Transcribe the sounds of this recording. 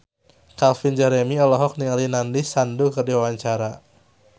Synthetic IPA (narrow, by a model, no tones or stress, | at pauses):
kalfind͡ʒɛɾɛmiɔlɔɦɔk̚niŋalinandisandukərdiwawaɲt͡ʃaɾa